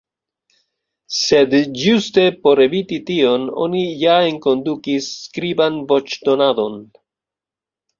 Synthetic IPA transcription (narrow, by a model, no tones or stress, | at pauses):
se̞dd͡ʒuste̞po̞ɾe̞vititio̞no̞̰nijae̞ŋko̞ndukisːkɾibanvo̞t͡ʃdo̞nado̞n